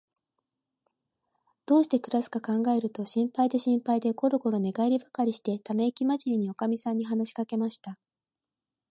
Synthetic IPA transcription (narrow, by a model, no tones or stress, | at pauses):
d̪̥o̞ːɕi̥t̪e̞kɯ̟ɾasɨ̥kakãŋɡae̞ɾɯ̟t̪o̞ɕĩmpaid̪e̞ɕĩmpaid̪e̞ko̞ɾɯ̟ko̞ɾo̞ne̞ɡaeɾʲibakaɾʲiɕi̥t̪e̞t̪ame̞kʲimaʑiɾʲiɲ̟io̞kamʲisãɲ̟ːiɦanaɕi̥kake̞maɕi̥t̪a